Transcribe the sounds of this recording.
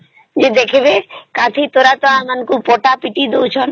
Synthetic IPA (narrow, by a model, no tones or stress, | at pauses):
d͡ʑed̪ekʰebekãtʰit̪oɾat̪oamankupɔʈapiʈid̪owt͡ʃʰɔn